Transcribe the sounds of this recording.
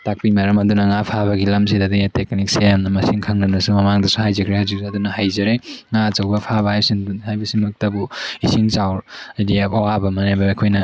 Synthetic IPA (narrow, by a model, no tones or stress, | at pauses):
tak̚pimaɾɐmɐdunɐŋapʰaβɐɡilɐms̬idadijateknik̚sejamnɐmɐsiŋkʰaŋnanɐsumɐmaŋdɐsuhajzɐkʰɾehazik̚sɐdunɐhajzɐɾeŋat͡ʃɐwbɐpʰabɐhajbɐsinduhajbɐsinɐk̚tɐbuisiŋt͡ʃawɾidijapawabɐmɐnajbɐkʰojnɐ